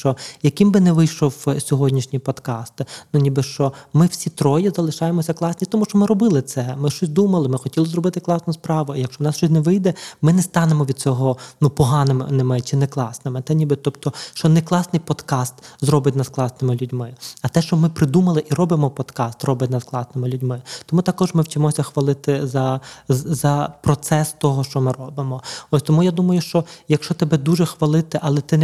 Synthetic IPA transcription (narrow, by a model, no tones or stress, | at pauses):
t͡ʃɔjɐkɪmbɪnɛʋɪjʃɔwsʲɔɦɔdʲnʲiʃnʲipɔd̪kɑst̪nunʲibɪʃt͡ʃɔmɪwsʲit̪ɾɔjizɐlˠɪʃɑjemɔsʲɐklˠɑsʲnʲit̪ɔmuʃt͡ʃɔmɪɾɔbɪlˠɪt̪sɛmɪʃt͡ʃɔsʲd̪umɐlˠɪmɪxɔtʲilˠɪzrɔbɪt̪ɪklˠɑsnɐspɾɑʋʊijɐkʃt͡ʃɔwnɑsʃt͡ʃɔsʲnɛʋɪjd̪ɛmɪnɛst̪ɑnemɔʋʲid̪̥̚t͡sʲɔɦɔnupɔɦɑnɪnɪmɪt͡ʃɪnɛklˠɑsnɪmɪt̪ɛnʲibɪt̪ɔpt̪ɔʃt͡ʃɔnɛklˠɑsnɪjpɔd̪kɑst̪zɾɔbɪtʲnɑsklˠɑsnɪmɪlʲudʲmɪɐt̪ɛʃt͡ʃɔmɪpɾɪd̪umɐlˠɪʔiɾɔbɪmɔpɔd̪kɑst̪rɔbɪtʲnɑsklˠɑsnɪmɪlʲudʲmɪt̪ɔmut̪ɐkɔʒmɪwt͡ʃɪmɔsʲɐxʋɐlˠɪt̪ɪzɐ | zɐpɾɔt̪sɛst̪ɔɦɔʃt͡ʃɔmɪɾɔbɪmɔɔsʲt̪ɔmujad̪umɐjʊʃt͡ʃɔjɐkʃt͡ʃɔt̪ɛbɛd̪uʒɛxʋɐlˠɪt̪ɪʔɐlˠɛt̪ɪ